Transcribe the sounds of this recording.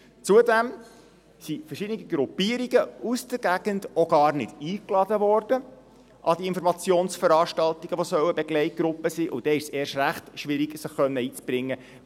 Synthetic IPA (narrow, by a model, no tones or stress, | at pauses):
t͡suədɛm | sifərʃɪdəniɡiɡɾupiəɾiɡəusd̥əɾɡæɡ̥ənd̥oɡ̥ɑːrnɪd̥iːklɑdəʋɔrd̥ə | ʔɑdiɪnfɔɾmɑt͡sjoːnsfəɾɑːrʃtɑlt̪iɡ̥əʋosœwəbɛɡlɛɪt̚ɡ̥ɾʊpːəsiːʔʊd̥ɛɪʃseːʃræχtʃʋɪɾiɡsəχːœnːəiːt͡sb̥ɾɪŋːə